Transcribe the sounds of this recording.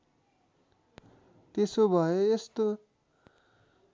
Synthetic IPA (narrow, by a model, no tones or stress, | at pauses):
t̪esobʱʌjoest̪o